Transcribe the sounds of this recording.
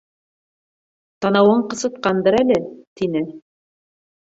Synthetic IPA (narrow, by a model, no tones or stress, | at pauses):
t̪ɑnɑwɤɴqɤ̆sɤ̆t̪̚qɑnd̪ɤɾælɘt̪inɘ